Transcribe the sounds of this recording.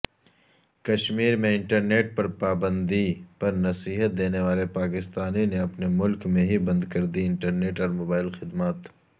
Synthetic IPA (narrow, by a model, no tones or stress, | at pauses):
kɐʃmiːɾmẽɪ̃ɳʈɐɾneːʈ̚pɐɾpaːbə̃nd̪ipɐɾnɐsiːɦət̪̚d̪eːneʋaːlepaːkɪst̪aːnineɐpnemʊlkmẽɦibɐ̃nd̪kɐɾd̪iɪ̃ɳʈɐɾneːʈɔːɾmoːbaːɪlxɪd̪maːt̪